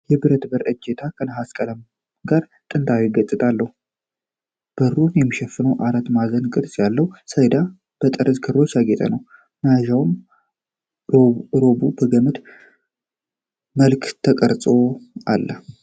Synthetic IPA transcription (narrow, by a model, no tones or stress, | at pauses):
jɛbɨɾət̪bəɾɨd͡ʒet̪ʰakʰənəɦaskʼələm | ɡaɾ | t̪ʼɨnt̪ʰawiɡət̪ʼːɨt̪ʼalːəhu | b̥əɾunjɛmːiʃɛfːɨnəwʔaɾat̪mazənkʼɨɾsʼjalːəwusəjd̪a | b̥ət̪ʼəɾəzkʰɨɾːo̞t͡ʃːjaɡet̪ʰʼə̰nəw | naʒawm | ɾobubəɡəmɨt̪ | məlkt̪ʰəkʼəɾsʼo̞ʔalːə